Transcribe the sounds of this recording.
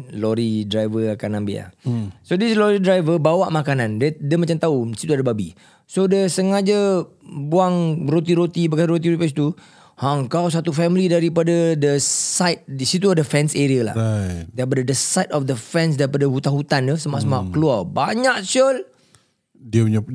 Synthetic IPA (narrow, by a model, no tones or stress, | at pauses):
loɾidɾajvəakanãmbḭa̰sodislɔɾidɾajvəbawaʔmakanãnddiəmat͡ʃamt̪ausi̥t̪uadəbabḭ | sodəsəŋad͡ʒabuaŋrot̪iɾot̪ibəkaɾot̪iɾpɛs̬t̪u | haŋkaws̬at̪ufɛmilidaɾipadadəsajt̪̚sit̪uadəfɛnseɾiala̰hdaɾipadadəsajtɔfdəfɛ̃ns̬daɾipadəɦut̪aɦut̪andəsəmaʔsəmaʔkəluabaɲaʔsol | diɲə